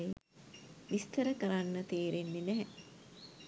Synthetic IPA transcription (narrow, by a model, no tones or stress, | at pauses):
ʋist̪əɾəkəɾanːət̪eːɾenːenæɦɛ